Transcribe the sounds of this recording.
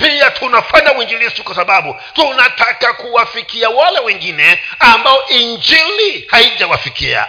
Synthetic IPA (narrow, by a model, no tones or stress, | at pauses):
piatʰunafaɲawind͡ʒilisikwasaɓaɓu | tunatakakuwafikiawalɛwɛŋɡinɛambaɔʔiɲd͡ʒilihaiʄawafikḭa̰